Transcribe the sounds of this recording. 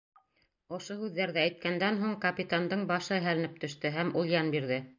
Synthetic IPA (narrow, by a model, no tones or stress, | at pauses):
ŏʃohʉðːæɾðæːjt̪̚kænd̪ænɦuɴkɐpʲit̪and̪ɤɴbɑʃɤɦælɘ̆nɘp̚t̪ɵ̆ʃt̪ɘɦæmulˠjɑnbiɾðɘ